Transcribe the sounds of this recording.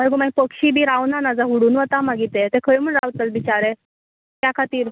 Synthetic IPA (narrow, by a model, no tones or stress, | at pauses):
məɾɡomaipəkɕiːbiːɾaʋnanad͡zaɦuɽuːnʋət̪amaɡit̪et̪ekʰəɭim̤əɳɾaʋt̪əlʋit͡ɕaɾe | t̪jakʰat̪iːɾ